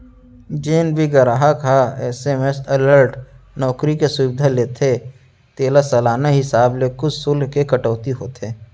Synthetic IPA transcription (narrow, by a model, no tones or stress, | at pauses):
d͡ʒeːnbʱiɡəɾaɦakaɛːsemesələɾʈnɔːkɾikesʊʋɪd̪ʱaleːt̪ʰe | t̪eːlasɐlaːnaɦɪsaːblekʊd͡ʒsʊlɦkekəʈɔːt̪iɦoːt̪ʰeː